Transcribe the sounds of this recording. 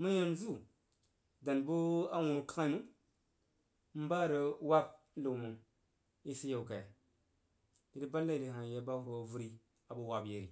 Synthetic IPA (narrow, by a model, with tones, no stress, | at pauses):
mu˦jo˦nzu˦ | da˨nbu˦a˦wu˨ɾu˨ka˦ka˦mu˦ | m̩˦ba˦ɾə˨wa˦b̚lu˨mu˨ | i˦si˦je˨wka˨j | di˦di˦ba˦lːa˦i˨li˨ɦa˨je˨ba˦fu˨vu˦ɾi˦ | a˨bu˦wa˨bje˨ɾi˨